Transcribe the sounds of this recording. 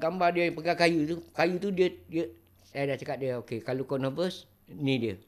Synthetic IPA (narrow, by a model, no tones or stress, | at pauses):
ɡambardiəpəɡakajut̪ukajut̪udiədiə | sajadaʔt͡ʃakat̪̚diəokekalokɔnɔ̃bəs | nĩdiə